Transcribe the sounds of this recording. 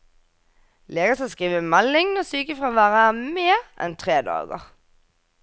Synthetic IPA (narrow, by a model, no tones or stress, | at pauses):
leːɡəsɑskʁiːʋəmɛlɪŋnoːsyːkəfʁɑʋæːʁəmeːʁɛ̰nt̪ʰʁeːd̪ɑ̰ːɡə̰ʁ